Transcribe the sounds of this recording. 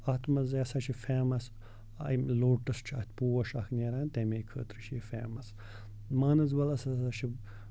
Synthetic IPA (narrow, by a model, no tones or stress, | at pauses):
ɐt̪ʰmɐzɐsɐt͡ʃʰifeːmɐs | ɐ̰mloːʈɐst͡ʃʰiɐ̰ht̪ʰʲpuːɐʃɐkʰneɾaːnt̪emeːkʰə̰ːt̪ɾɨʃʰjifeːmɐs | maːnɐzbɐlɐsɐsɐt͡ʃʰi